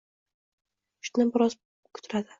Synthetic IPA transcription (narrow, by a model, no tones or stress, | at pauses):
ʊ̥ʃt̪nɪbɪɾɒz | kʰʊ̥t̪ʰʊɾad̪ɪ